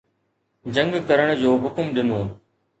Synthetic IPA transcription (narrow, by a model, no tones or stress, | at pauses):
d͡ʑɐ̃ŋɡkɐɾəɽ̃d͡ʑoːɦʊkmɗɪnoː